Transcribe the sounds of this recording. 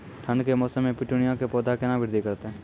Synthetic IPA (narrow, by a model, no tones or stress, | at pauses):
ʈʰə̃nd̪kemɔːsəmːẽpɪʈunɪjãkepɔːd̪ʱakenãʋɪɾd̪ʱikɐɾt̪eɦɛ̃ː